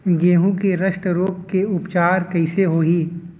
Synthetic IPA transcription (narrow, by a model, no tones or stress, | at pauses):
ɡeːɦũkeɾɐʃʈəɾoːkkeʊpt͡ʃaːɾkɐɪseɦoːiː